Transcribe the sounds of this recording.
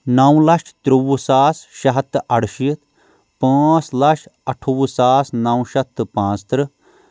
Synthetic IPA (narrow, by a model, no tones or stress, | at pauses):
nɐwlɐʃt̪ɾuwusaːsʃɐɦɐt̪ːɐɽʃit̪ | pãːslɐʃɐʈʰuwusaːsnɐwʃɐt̪ːpãːt͡st̪ɾɨ